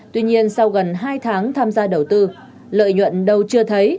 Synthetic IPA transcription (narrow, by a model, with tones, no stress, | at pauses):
t̪wi˧ɲi˧ənsa˧wɣə˨˩nɦaː˧jt̪ʰaː˨˦ŋt̪ʰaː˧mzaː˧ɗə˨˩wt̪ɨ˧ | lə̰ː˧˨jɲwə̰˧˨nɗə˧wt͡ɕɨ˧ət̪ʰə˨˦j